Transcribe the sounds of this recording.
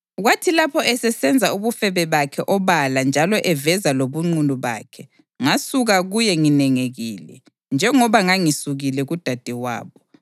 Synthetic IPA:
ɣwatʰilapʰɔʔɛsɛsɛnd͡zʱauβufɛβɛβakʰɛʔɔβaland͡ʒʱalɔʔɛvɛzaloβuŋ͡ǃunuβa̰ːkʰɛ | ŋasuɣaɣujɛŋinɛŋeɣiːlɛ̰ | nd͡ʒʱɛŋɔβaŋaŋisuɣilɛɣud̥ʱad̥ʱɛwa̰ːβɔ

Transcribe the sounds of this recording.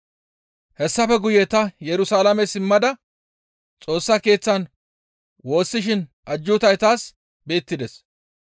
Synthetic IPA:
hɛsːɐfɛɡʊjɛt̪ɐjɛɾʊsaːlɐmɛsɪmːɐd̪ɐ | t͡sʼo̞ːsːɐke̞ːt͡sːɐn | wo̞ːsːɪʃɪn | ʔɐd͡ʒːʊt̪ɐjt̪aːs | be̞ːt̪ːɪd̪ɛs

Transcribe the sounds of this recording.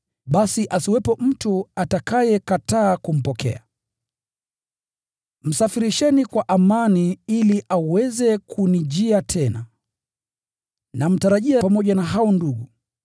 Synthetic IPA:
ɓasiʔasiwɛpɔm̩tuatakajɛkataːkum̩pɔkɛ̰a | m̩safiɾiʃɛnikwaʔamaniiliʔawɛzɛkʰunid͡ʒiatʰɛna̰ | nam̩taɾaʄiapamɔʄanaɦaɔnduɠu

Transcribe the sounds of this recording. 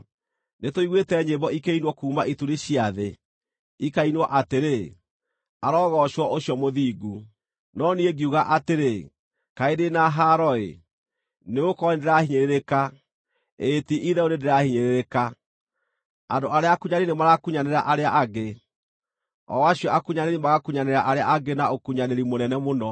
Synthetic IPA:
netoiɣwetɛɲebɔikeinwɔkuːmaʔituɾiɕiaðe | ikainwɔʔateɾe | aɾɔːɣɔʃwɔʔoɕjɔmoðiːɡu | nɔnieɡiuɣaʔateɾe | kaedenaɦaɾɔḛ | neokɔnendeɾahiɲeɾeɾeka | etiʔiðɛonendeɾahiɲeɾeɾeka | andoʔaɾeakuɲaɾinemaɾakuɲaneɾa̰ʔaɾeaʔaɡe | ɔ̰waɕijɔakuɲaneɾimaɣakuɲaneɾaʔaɾea̰aɡenaokuɲaneɾimonɛnɛmonɔ

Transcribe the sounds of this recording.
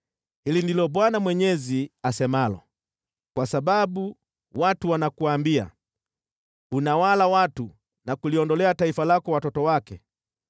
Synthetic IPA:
hilindilɔbwanamwɛɲɛziasɛmalɔ̰ | kwasababu | watuwanakuaːmbia̰ | unawalawatu | nakuliɔndɔlɛataifalakɔwatɔtɔwakɛ

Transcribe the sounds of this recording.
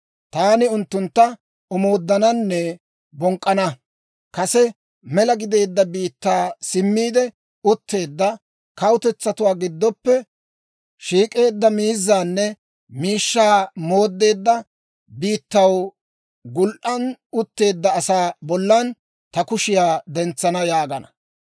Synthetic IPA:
t̪aːnɪʊnt̪ːʊnt̪ːɐ | ɔmo̞ːd̪ːɐnɐnːɛ | bɔŋkʼːɐnɐ | kɐsɛ | mɛlɐɡɪd̪e̞ːd̪ːɐbiːt̪ːaːsɪmːiːd̪ɛ | ʊt̪ːe̞ːd̪ːɐ | kɐwʊt̪ɛt͡sːɐt̪ʊwaːɡɪd̪ːɔpːɛ | ʃiːkʼe̞ːd̪ːɐmiːzːaːnːɛ | miːʃːaːmo̞ːd̪ːe̞ːd̪ːɐ | biːt̪ːɐw | ɡʊlʔʔɐnʊt̪ːe̞ːd̪ːɐːsaːbɔlːɐn | t̪ɐkʊʃɪjaːd̪ɛnt͡sːɐnɐjaːɡɐnɐ̥

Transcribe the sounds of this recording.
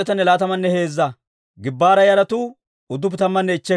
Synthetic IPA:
ɛt̪ɐnːɛlaːt̪ɐmɐnːɛhe̞ːzːɐ | ɡɪbːaːɾɐjɐɾɐt̪u | ʊd̪ːʊp̬ɪt̪ɐmːɐnːɛɪt͡ʃːɛ

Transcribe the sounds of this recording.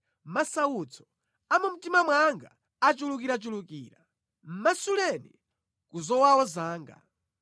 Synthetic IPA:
masawut͡sʰɔ̥ | amum̩timamwaŋɡa̰ː | t͡ʃulukiɾat͡ʃulukḭːɾa | m̩masulɛnḭ | kuzɔwawɔzaːŋɡa̰

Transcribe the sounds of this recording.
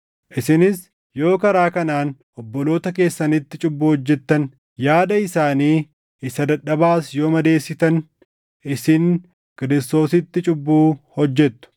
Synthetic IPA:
ʔɪsɪnɪs | jo̞ːkɐɾaːkɐnaːnʔɔbːɔlo̞ːt̪ɐke̞ːsːɐnɪt̪ːɪt͡ʃʼʊbːuːhɔd͡ʒːɛt̪ːɐn | jaːd̪ɐɪsaːniː | ɪsɐd̪ɐᶑːɐbaːsjo̞ːmɐd̪e̞ːsːɪt̪ɐn | ʔɪsɪn | kɪɾɪst̪o̞ːsɪt̪ːɪt͡ʃʼʊbːuːhɔd͡ʒːɛt̪ːʊ̥

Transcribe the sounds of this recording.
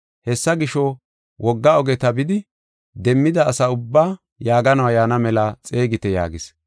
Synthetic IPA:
hɛsːɐɡɪʃɔ | wɔɡːɐɔɡɛt̪ɐbɪd̪ɪ | d̪ɛmːɪd̪ɐːsɐʊbːaː | jaːɡɐnɐwajaːnɐmɛlɐt͡sʼe̞ːɡɪt̪ɛja̰ːɡɪs

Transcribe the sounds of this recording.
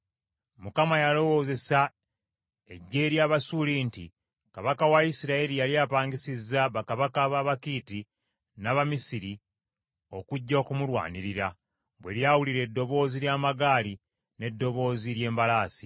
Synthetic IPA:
mukamajalo̞wo̞ːze̞sa | e̞ɟːe̞ːɾjaβasuliːnti | kaβakawaisiɾaelijaljaːpaːŋɡisizːaβakaβakaβaβakiːti | naβamisiɾi | o̞kuɟːoːkumuɾwa̰ːniɾiɾa | βwe̞̰ɾjawuliɾe̞ːdːo̞βo̞ːziljaːmaɡaːli | ne̞dːo̞βo̞ːziɾje̞ːmbalaːsi

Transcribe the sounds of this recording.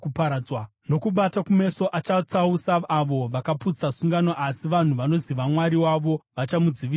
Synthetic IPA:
upaɾawa | no̞kuɓatakume̞so̞ʔat͡ʃat͡sausaːʋo̞ʋakaput͡sasuŋɡanoʔasiʋan̤uʋano̞ziʋamwaɾiwaʋo̞ʋat͡ʃamud͡ziʋi

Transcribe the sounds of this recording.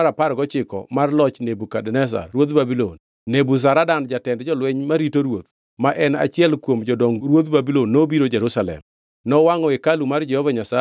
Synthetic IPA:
ɾapaɾɡɔt͡ʃɪkɔ̰marlɔt͡ʃnebukadɛnɛs̬a̰rwot̪babilonː | ebus̬aɾadand͡ʒatɛndd͡ʒɔlwɛɲmaɾitoɾwot̪ | maʔɛna̰t͡ʃɪɛlkwomd͡ʒɔdɔŋɡɾwot̪babilonːobiɾod͡ʒɛɾusalɛ̰m | nɔwaŋɔekalumard͡ʒɛhɔvaɲasa

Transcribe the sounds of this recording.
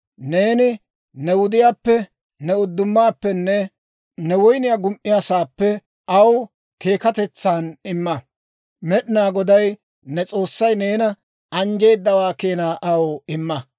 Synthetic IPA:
ne̞ːnɪ | nɛwʊd̪ɪjaːpːɛ | nɛʊd̪ːʊmːaːpːɛnːɛ | nɛwɔjnɪjaːɡʊmʔɪjaːsaːpːɛ | ʔɐw | ke̞ːkɐt̪ɛt͡sːaːnɪmːɐ | mɛɗɪnaːɡɔd̪ɐj | nɛt͡sʼo̞ːsːɐjne̞ːnɐ | ɐnd͡ʒe̞ːd̪ːɐwaːkeːnaːʔɐwɪmːɐ

